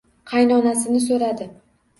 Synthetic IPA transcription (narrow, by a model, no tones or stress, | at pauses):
qʰɑjnɒnasɪnɪsoɾad̪ɪ